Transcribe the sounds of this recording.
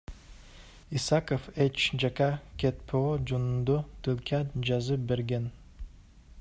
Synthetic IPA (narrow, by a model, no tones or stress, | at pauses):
isakofet͡ʃd͡ʒakakʲet̪̚pʰod͡ʒunund̪ut̪ilkʲʰad͡ʒɑzɯp̚beɾɡʲen